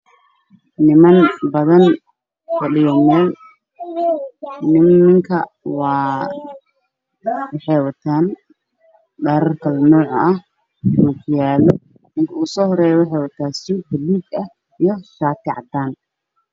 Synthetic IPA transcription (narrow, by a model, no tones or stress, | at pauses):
nɪmɐnbɐðɐn | kʰɐɖɪjɔnɛn | nɪmmɐŋkʰɐ | wɑː | wɑħɑjwɐt̪ʰaːn | ɖɛːɾɐrkʰɐlɐnɔːʕɐh | muːkʰjaːlɔ | nɪŋkʰɐuːsɔːhɔɾɛːjɔwɑħɑjwɐt̪ʰaːsuːbɐliːɡɐ | ijɔʃaːt̪ʰɪʕɑ̰d̪aːn